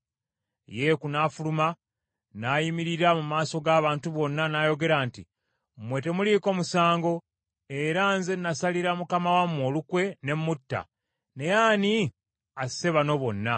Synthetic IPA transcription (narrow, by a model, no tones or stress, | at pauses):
je̞kunaːfuluma | naːjimiɾiɾamumaːso̞ɡaːβaːntuβo̞nːanaːjo̞ɡe̞ɾaːnti | mwe̞te̞muliːko̞ːmusaːŋɡo̞ | e̞ɾanzenːasaliɾamukamawamːo̞ːlukwe̞ne̞mːutːa̰ | ne̞jaːni | ase̞βano̞βo̞nːa